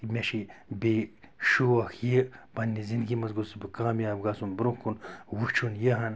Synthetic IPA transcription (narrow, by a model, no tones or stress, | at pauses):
mʲeʃibeʃuɐxjebɐnʲːizind̪ɡimɐzɡusibɨkaːmiaːbɡaːsunbɾũkːunwut͡ʃʰunjeɦɐn